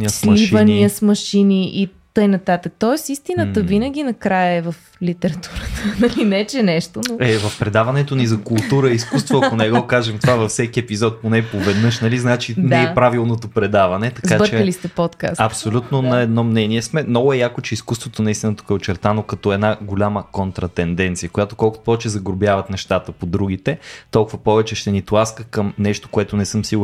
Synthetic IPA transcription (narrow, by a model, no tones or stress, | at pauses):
niəslmiʃəniəsmɐʃiniʔit̪ɤjnɐt̪at̪ək̚t̪ɔɛsist̪inət̪əvinəɡʲinɐkɾajəɛvəf | lit̪ɛɾɐt̪uɾət̪ənɐlinɛt͡ʃɛnɛʃt̪onoɛvɐfpɾɛd̪avɐnɛt̪onizɐkulˠt̪uɾəiskust̪vvoɐkonɛɡɔkaʒɛmt̪ovavɐfsɛk̟iɛpizɔt̪̚ponɛpovɛd̪nɤʃnɐliznat͡ʃinɛɛpɾavilˠnot̪opɾɛd̪avɐnɛt̪ɐkaɾt͡ʃɛlist̪ɛpɔt̪ka̰sɐpsolʲut̪nonɐɛd̪nɔmnɛniɛsmɛmnɔɡʊɛjakot͡ʃɛiskust̪vot̪onɐist̪ʲinət̪u̥kɛot͡ʃɛɾt̪anokɐt̪ɔɛd̪naɡolʲaməkont̪ɾɐt̪ɛnd̪ɛnt̪sijəkojat̪o̥kɔlˠkʊpɔvɛt͡ʃɛzɐɡɾobjavɐt̪nɛʃt̪at̪əpod̪ɾuɡ̟it̪ɛt̪ɔlˠkʊvɐpɔvɛt͡ʃɛʃt̪ɛnit̪lˠaskəkəmnɛʃt̪o̥koɛt̪onɛsɤmsiɡ